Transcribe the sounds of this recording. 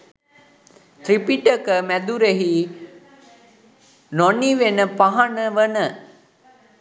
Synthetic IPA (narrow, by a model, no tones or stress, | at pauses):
t̪ɾipiʈəkəmæd̪uɾeɦi | noniʋenəpaɦanəʋənə